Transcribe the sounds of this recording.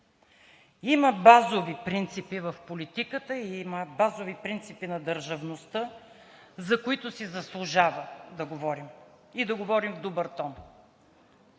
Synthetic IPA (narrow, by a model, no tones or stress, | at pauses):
iməbazovipɾint̪sipivɐfpolit̪ikət̪əiiməbazovipɾint̪sipinɐd̪əɾʒɐvnost̪ə | zɐkʊit̪ʊsizɐslˠʊʒavəd̪ɐɡovɔɾim | id̪ɐɡovɔɾimvd̪obəɾt̪ɔn